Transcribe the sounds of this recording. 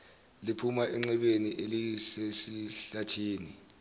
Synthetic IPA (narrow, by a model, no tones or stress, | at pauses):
lipʰumaʔɛŋ͡ǁɛɓeniʔelisesiɬatʰiːni